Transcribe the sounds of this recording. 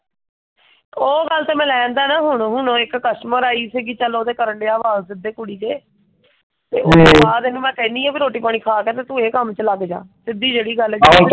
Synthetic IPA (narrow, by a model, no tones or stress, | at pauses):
oːɡəlt̪eːmɛ̃ːlɛ̃ːnd̪aːnãːɦʊɳɦʊɳɪkːəʃməɾaːiːsiɡiːt͡ʃəlːoːd̪eːkəɾəɳɖeːaːʋaːzsɪd̪eːkʊɽiːd͡ʒ̪eː | t̪ḛːoːeaːd̪eːnũːmɛ̃ːkɛ̃ːnd̪iːɛ̃ːbiːɾoːʈiːpaːɽ̃iːkʰaːkeːt̪eːt̪ũːeːkəmt͡ʃəlaɡd͡ʒa̰ːsɪd̪iːd͡ʒeːɽiːɡəld͡ʒ